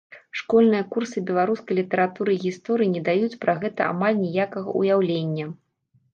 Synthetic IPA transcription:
ʂkɔlʲnɨjɐkursɨbʲɛlˠaɾuskɐjlʲit̪ɐɾat̪uɾɨiɣʲist̪ɔɾɨjinʲɛd̪ajut͡sʲpɾaɣɛt̪ɐa̰malʲnʲijakɐɣɐ̰ṵjawlʲenʲːɐ

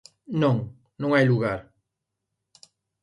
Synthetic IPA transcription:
nõŋ | nõŋajluɣaɾ

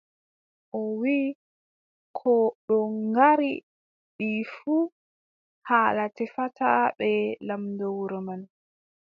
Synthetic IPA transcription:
ʔɔwi | kʰɔɗɔŋɡaɾi | ɗifuː | haːlatɛfataɓɛlamndɔwɾɔman

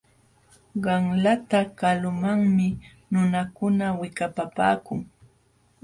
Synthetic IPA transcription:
ɢɑŋlat̪akalʊmaŋmɪ | nʊnakʊnawɪkapapa̰ːkʊŋ

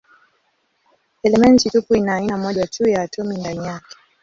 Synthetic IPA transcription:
ɛlɛmɛntitupuinaːinamɔʄat͡ʃujaːtʰɔmindanijakɛ̥

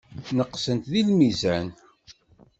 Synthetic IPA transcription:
nəqːsənt̪ðilmizæn

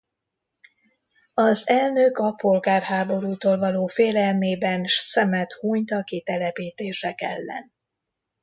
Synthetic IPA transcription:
ɒzɛlnøkɒpo̞lɡaːrhaːbo̞ɾuːt̪oːlvɒloːfeːlɛlmeːbɛnʃsɛmɛt̪huːɲt̪ɒkit̪ɛlɛpiːt̪eːʃɛkɛ̰lːɛ̰n

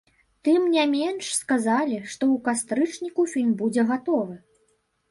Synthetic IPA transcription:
t̪ɨmnʲamʲɛnʂskazalʲiʂt̪ɔukast̪ɾɨt͡ʂnʲikufʲilʲmbud͡zʲɛɣat̪ɔvɨ

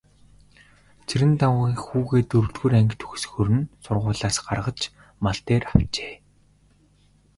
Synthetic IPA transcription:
t͡sʰiɾɘ̆nt̪awʁiːkxuːɣeːt̪ɵɾɮɡuːɾæŋɡʲɘ̆t̪ʰɵ̥xsxɵɾɘ̆nsʊrʁʊːɮaːsɢarʁə̆t͡ɕ | maɬt̪eːrawt͡ɕe̥ː

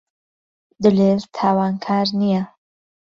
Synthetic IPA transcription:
d̪ɨlelt̪ʰaːwaːnkʰaːɾnija

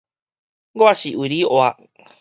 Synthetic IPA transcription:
ɡoasiʔuɾioa

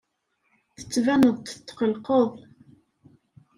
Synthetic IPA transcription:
θə̥t͡sːvænəðˤt̪ːqəlqəðˤ

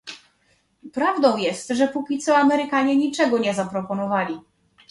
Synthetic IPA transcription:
pɾavd̪ɔ̃w̃jɛst̪ʐɛpukʲit̪sɔamɛɾɘkaɲɛɲit͡ʂɛɡɔɲɛzapɾɔpɔnɔvalʲi

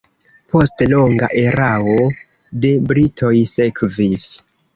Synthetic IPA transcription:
po̞stlo̞ŋɡaʔe̞ɾao̞ | de̞bɾitʰo̞jse̞kvis

